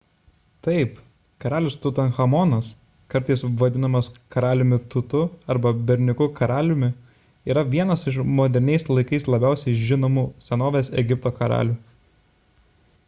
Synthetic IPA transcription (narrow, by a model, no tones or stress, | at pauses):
t̪ɐɪp | kɐɾɑːlʲʊst̪ʊt̪ɐnxɐmɔnɐs | kɐɾt̪ɐɪsʋɐd̪ʲɪnɐmɐskɐɾɑːlʲʊmʲɪt̪ʊt̪ʊɐɾbɐbʲɛɾʲnʲɪkʊkɐɾɑːlʲʊmʲɪ | iːɾɐʋʲiɛnɐsɪʃmoːd̪ʲɛɾʲnʲɛɪslˠɐɪkɐɪslˠɐbʲæˑʊsʲɛɪʒʲɪnoːmuːsʲɛnoːʋʲeːsɛɡʲɪp̚t̪oːkɐɾɑ̰ːlʲuː